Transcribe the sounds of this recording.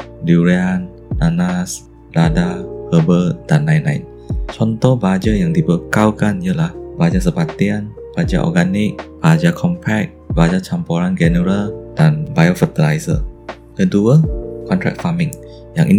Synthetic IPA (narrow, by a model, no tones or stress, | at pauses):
duɹianː | anas | ladahəbəd̥ãnːãjnã̰jn | t͡ʃɔ̃nt̪ɔhbad͡ʒajaŋdibəkawkãnjəlahbad͡ʒas̬əpat̪ian | b̥ad͡ʒa̰ʔɔ̰ɡanik̚b̥ad͡ʒakʰɔ̃mpʰɛk̚bad͡ʒat͡ʃampɔɾand͡ʒɛnəɹəldãnbajofət̪ilajsə̰ | kəduəkʰɔ̃ntʰɹɛ̰k̚famĩŋ | jãŋʔin